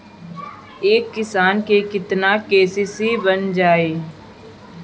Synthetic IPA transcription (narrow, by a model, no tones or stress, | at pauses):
eːkːɪsaːnkekɪt̪nakeːsisebənd͡ʒaːeː